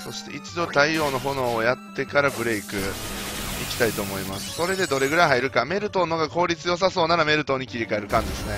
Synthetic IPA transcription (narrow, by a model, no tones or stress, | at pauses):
so̞ɕi̥t̪e̞̰ʔit͡ɕid̪o̞t̪aio̞ːno̞ɦo̞no̞ːjat̪ːe̞kaɾabɯ̟ɾe̞ikɯ̟ | ikʲi̥t̪ait̪o̞ːmo̞imasɨ̥so̞ɾe̞d̪e̞d̪o̞ɾe̞ɡɯ̟ɾaiɦaiɾɯ̟kame̞ɾɯ̟t̪o̞noɡako̞ːɾʲit͡sɨjo̞s̬aso̞ːnaɾame̞ɾɯ̟t̪o̞ːɲ̟ikʲiɾʲikae̞ɾɯ̟kãnd̪e̞sɨne̞